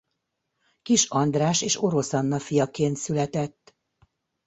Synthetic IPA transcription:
kiʃɒnd̪raːʃeːʃo̞ɾo̞sɒnːɒfijɒkeːnt̪sylɛt̪ɛt̪ː

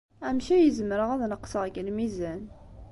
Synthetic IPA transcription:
æmʃæjəzəməɾəʁæðnəqːsəʁɡəlmizæn

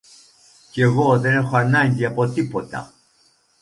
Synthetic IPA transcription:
ce̞ɣo̞ðe̞ne̞xoanɐɲɟiɐpo̞t̪ipo̞t̪ɐ̰

